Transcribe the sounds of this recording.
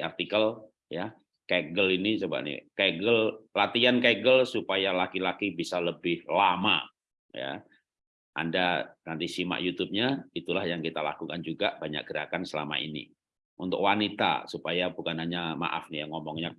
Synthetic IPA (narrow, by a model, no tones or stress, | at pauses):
art̪ikəl | ja | kaɡəlinit͡ʃəba̰ʔnḭkaɡəllat̪iankaɡəlsupajalakilakibisaləbɪhlama̰ | ja̰ | ʔa̰ndanant̪isima̰ʔjut̪up̚ɲait̪ulahjaŋkit̪ala̰kukand͡ʒuɡabaɲa̰k̚ɡ̥əɾakansəla̰ma̰ḭnḭ | unt̪ʊkwanit̪a̰supajabukanhaɲama̰ʔa̰fnijaŋɔmɔŋɲa